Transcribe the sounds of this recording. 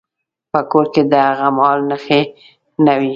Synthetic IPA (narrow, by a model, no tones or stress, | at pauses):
pəkoɾked̪əhaɣamhɑlnəxe | nawi